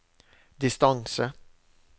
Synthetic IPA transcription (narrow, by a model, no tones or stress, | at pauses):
d̪ɪst̪aŋsə